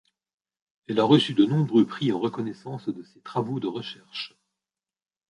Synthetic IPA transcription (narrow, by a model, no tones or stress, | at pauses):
ɛlaʁəsyd̪ənɔ̃bʁøpχiɑ̃ʁəkɔnɛsɑ̃sd̪əset̪χavod̪əʁəʃɛʁʃ